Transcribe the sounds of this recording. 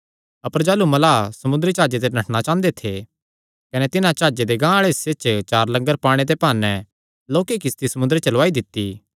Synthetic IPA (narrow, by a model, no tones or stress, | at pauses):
ɐpəɾd͡ʒaːlumɐlaːsɐmʊ̃nd̪ɾit͡ʃaːd͡ʒet̪̬enɐʈʰnat͡ʃãːnd̪et̪ʰe | kɐnet̪ɪnãt͡ʃaːd͡ʒed̪eɡãːɭeset͡ʃt͡ʃaːɾlɐ̃ŋɡəɾpaːɽ̃et̪̬epaːnɛ | loːkek̬ɪst̪isɐmʊ̃nd̪ɾet͡ʃɐlʋaːid̪ɪt̪ːi